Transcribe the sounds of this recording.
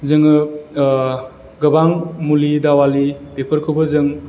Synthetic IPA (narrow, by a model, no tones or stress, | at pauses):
zɯŋɯ | ɡɯbaŋmulidawalipepʰəɾkʰɯwbɯzɯŋ